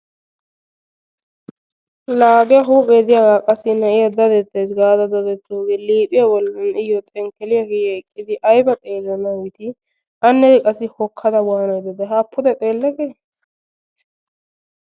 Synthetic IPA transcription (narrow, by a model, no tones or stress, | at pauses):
laːɡɛjɐɦuːpʼeːd̪ɪjaɡaːkʼɐsɪnɐʔɪjɐd̪ɐd̪ɛt̪ːeːsɡaːd̪ɐd̪ɐd̪ɛt̪ːoːɡeːliːpʼɪjabɔlːɐnɪjɔt̪ʼɛŋkɛlɪjɐɡɛɛkʼːɪd̪ɪʔɐjbɐt̪ʼeːlɔnɐɡɪt̪ɪ | ʔɐnːɛd̪ɪkʼɐsɪhɔkʰːɐd̪ɐwaːnɐjd̪ɛd̪ɛɦapʰːʊd̪ɛt̪ʼeːlːɛɡe